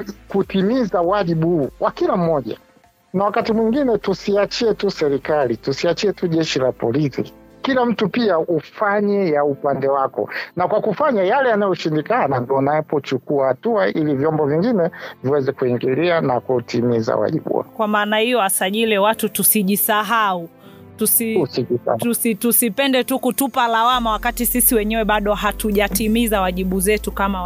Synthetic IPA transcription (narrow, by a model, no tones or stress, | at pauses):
kutimizawaʄiɓuhuwʔakilam̩mɔʄa̰ | nawakatimwiŋɡinɛtusiat͡ʃiɛtusɛɾikalitusiat͡ʃiɛtuʄɛʃilapɔlisḭ | kilam̩tupiaufaɲɛjaupandɛwakɔ̰nakwakufaɲajalɛjanajɔʃindikanandiɔnaɛpɔt͡ʃukuahatuaʔilivjɔmbɔviŋɡinɛviwɛzɛkuiŋɡilianakutʰimiza̰wa̰ʄḭɓṵa̰kwamaːnahijɔasaʄiliwatutusiʄisaɦau | tusisiia̰usitusipɛndɛtukutupalawamawakatisisiwɛɲɛwɛɓaɗɔɦatuʄatimizawaʄiɓuzɛtukama